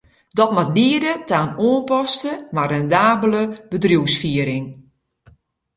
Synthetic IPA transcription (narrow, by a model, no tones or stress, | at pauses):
dɔtmatliədətaːnoənpɔstəmarɛndaːbələbədrjuwsfiəɾɪŋ